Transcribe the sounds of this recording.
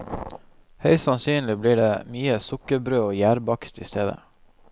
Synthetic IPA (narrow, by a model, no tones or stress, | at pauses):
hœʏsɑnsyːnlɪbliːɖeːmyːəsʊkəɾbɾøːoːjæːɾbɑkst̪ḭːst̪ʰeːd̪ə̰